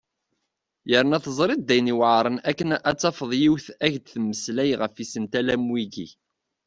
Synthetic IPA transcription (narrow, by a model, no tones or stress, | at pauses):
jəɾnæθəzˤɾˤid̪d̪ːæjniwʕɾˤənækːənæt͡sːɑfəðˤjiwθæʝd̪θmːəslæjʁəfisənt̪ælæmwiɡḭ